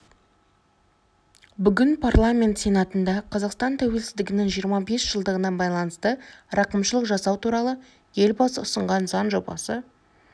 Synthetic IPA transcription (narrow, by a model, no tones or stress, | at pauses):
bʏɡʲɪnpʰarlˠamʲe̞nt̪sʲe̞nɑt̪ənd̪ɑqʰɑzɑqst̪ɑnt̪ʰæwe̞lsɪzd̪ɪɡʲɪnɪŋʒijəɾmɑbe̞sʒ̥əlˠd̪əʁənɑnbɑjlˠɑnəst̪əɾɑqəmʃəlˠəqʒɑsɑwt̪ʰuɾɑlˠə | je̞lbɑsəʊsəɴʁɑnzɑnʒo̞bɑ̰sə